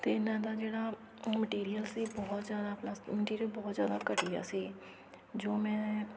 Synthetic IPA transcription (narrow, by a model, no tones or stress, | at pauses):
t̪eːɪnãːd̪aːd͡ʒeːɽaː | məʈiːɾijəlsiːbɔːt̪zjaːd̪aːpnaːməʈiːɾijəlbɔːt̪zjaːd̪aːkəʈiːa̰ːsiː | d͡ʒoːmɛ̃ː